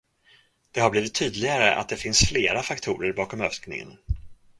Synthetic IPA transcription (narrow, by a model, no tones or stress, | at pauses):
d̪̥ɛhabliːvɪt̪ʰːyːd̪lɪɡaɾəʔa̰t̪̚d̪ɛfɪnsfleːɾafakt̪ʰuːɾəɾbɑːkɔmœfsknɪ̰ŋə̰n